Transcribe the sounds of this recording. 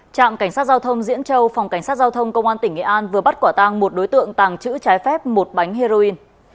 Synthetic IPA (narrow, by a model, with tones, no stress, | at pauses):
t͡ɕa̰ː˧˨mka˧˩jŋsaː˦˥t̚zaː˧wt̪ʰə˧wŋ͡mzḭ˧˥ənt͡ɕə˧wfa˨˩wŋ͡mka˧˩ŋ̟saː˦˥zaː˧wt̪ʰə˧wŋ͡mkə˧wŋ͡mʔaː˧nt̪ï˧˩ŋʔḛ˧˨ʔaː˧nvɨ˨˩əɓa˦˥t̚kwaː˧˩t̪a˧ŋmo˨˩t̚ɗo˨˦jt̪ɨ̰˧˨əŋt̪aː˨˩ŋt͡ɕɨ̰˧˥t͡ɕaː˨˦jfɛ˦˥p̚mo˨˩t̚ɓa˨˦jŋ̟he˧zo˧i˧n